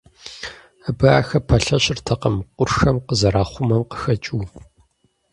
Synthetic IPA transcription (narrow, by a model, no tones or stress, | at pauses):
abɐa̰ːxɐpʰɐɬɐɕɪrtʰɐqɐmqʷʊrxɐmqəzɐɾaːχʷʊmɐmqə̥xɐt͡ʃʼuː